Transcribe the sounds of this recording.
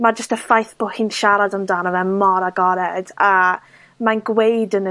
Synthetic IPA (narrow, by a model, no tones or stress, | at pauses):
mad͡ʒəstəfajθb̥ohɪnʃaɾadamdaːnɔvɛmɔɾaɡɔɾɛd̥a | manɡwejdənə